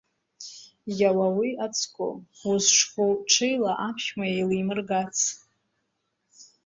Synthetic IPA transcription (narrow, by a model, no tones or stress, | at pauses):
jawawiat͡sʰkʷʰʼo̰uzʈ͡ʂʰkʰʷowʈ͡ʂʰɨjlaʔapʰʃʲmajejlimɨrɡat͡sʰ